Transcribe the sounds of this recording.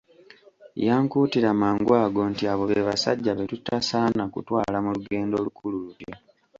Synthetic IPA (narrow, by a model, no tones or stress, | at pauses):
jaːŋkuːtiɾamaːŋɡwaːɡo̞ntiaβo̞βeβasa̰ɟːaβe̞tutasaːnakṵtwaːlamuluɡe̞ːndo̞ːlukulululjo